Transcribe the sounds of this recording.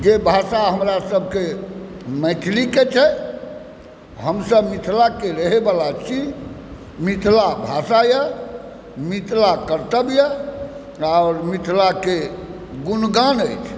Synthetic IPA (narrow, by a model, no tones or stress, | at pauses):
d͡ʒebʱasaɦəmɾasəbʱke | mə̃t̪ʰliket͡ʃʰɛ | ɦəmsəbmit̪ʰlakeɾəɦebalat͡ʃʰi | mit̪ʰlabʱasajə | mit̪ʰlakəɾt̪əbjə | aʊɾmit̪ʰlake | ɡunɡanəjt͡ʃʰ